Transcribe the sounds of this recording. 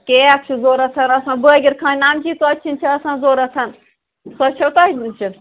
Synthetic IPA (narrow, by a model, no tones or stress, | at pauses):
keɐk̚t͡ʃʰuzoːɾɐt̪ʰɐnɐsãːbəːɡʲiɾkʰãːnʲnaːmd͡ʒiːt̪oɐt͡ʃʰint͡ʃʰiɐsãːnzoːɾɐt̪ʰɐn | sɐt͡ʃʰɐwt̪aːidint͡ʃʰi